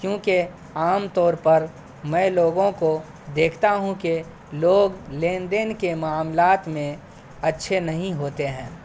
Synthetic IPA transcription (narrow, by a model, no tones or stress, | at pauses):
kjõːke | aːmt̪ɔːɾpɐɾ | mɛ̃ːloːɡõko | d̪eːkʰt̪aɦũke | loːɡlẽːnd̪eːnkemaːmlaːt̪mẽ | ɐtːʃʰenɐɦĩɦoːt̪eɦɛ̃ː